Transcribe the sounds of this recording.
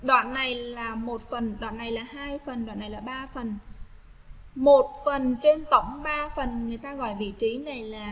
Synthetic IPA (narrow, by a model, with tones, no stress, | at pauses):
ɗwa̰ː˧˨nːa˨˩jlaː˨˩mo˨˩t̚fə˨˩nɗwa̰˧˨nːa˨˩jlaː˨˩haː˧jfə˨˩nɗwa̰˧˨nːa˨˩jlaː˨˩ɓaː˧fə˨˩n | mo˨˩t̚fə˨˩nt͡ɕe˧nt̪ə̰˧˩wŋ͡mɓaː˧fə˨˩nŋɨ˨˩əjt̪aː˧ɣɔ̰˧˨jɓḭ˧˨t͡ɕi˨˦na˨˩jlaː˨˩